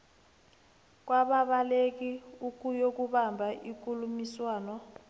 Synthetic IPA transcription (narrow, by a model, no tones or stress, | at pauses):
k̬waɓaɓalek̬iuk̬ʼujok̬uɓambʱaʔik̬ʼulumiswaːnɔ